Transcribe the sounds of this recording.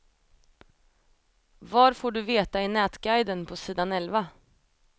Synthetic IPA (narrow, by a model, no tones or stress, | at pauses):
vaːɾfoːɖɵveːt̪aɪnɛːt̪ɡajd̪ənpʰɔsiːd̪anɛlva